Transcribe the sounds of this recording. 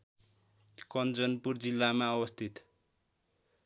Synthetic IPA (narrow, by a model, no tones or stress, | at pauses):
kʌnd͡zʌnpurd͡zilːamaʌwʌst̪ʰit̪